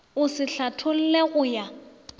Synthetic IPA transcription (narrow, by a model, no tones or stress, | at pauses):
ʊsɪɬatʰʊl̩leɣʊja